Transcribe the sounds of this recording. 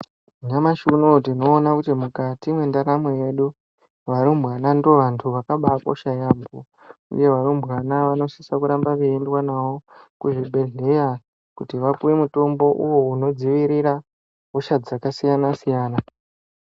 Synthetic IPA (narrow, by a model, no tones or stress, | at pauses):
ɲamaʃunotino̞ːnakutimukatimwendaɾamweje̞ɗu | ʋaɾumbwanando̞ʋantʰuʋakaɓako̞̰ʃajaːmbo | ṵje̞ʋaɾumbwanaʋano̞sisakuɾambaʋeendwanawo̞kuʐibʱe̞ɮe̞ja | kutiʋapujemuto̞mbo̞ʔuwo̞uno̞d͡ziʋiɾiɾa | koʃad͡zakasijanasijaːna